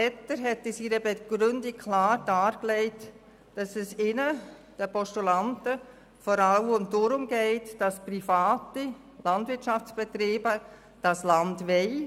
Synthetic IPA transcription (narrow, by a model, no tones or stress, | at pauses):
ɛtəɾɦɛtɪsiɾəbɛɡ̥ɾʏndikʰlɑːɾd̥ɑːɾklɛɪt | d̥ɑsɛsɪnəd̥əpɔʃtulɑntə | fɔɾɑlʊndʊɾʊmɡɛɪtd̥ɑsprifɑːti | lɑndvɪɾtʃɑft͡sb̥ɛtɾiːbə | d̥ɑslɑndʋɛɪ